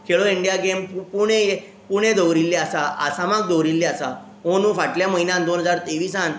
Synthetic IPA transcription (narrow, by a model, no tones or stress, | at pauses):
kʰeɭoiɳɖijaɡempuɽ̃eje | puɽ̃ẽd̪əwɾilːeasaʔa̰samak̚d̪ɔwɾilːeasa̰ | onũːfaʈljaməɦinãnd̪onɦəd͡zaɾt̪eʋiːsan